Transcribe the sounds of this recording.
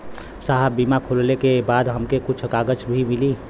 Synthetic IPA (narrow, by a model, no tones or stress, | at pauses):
saɦəbiːmakʰollekebaːd̪ɦəmkekʊt͡ʃʰkaːɡət͡ʃbʱimɪliː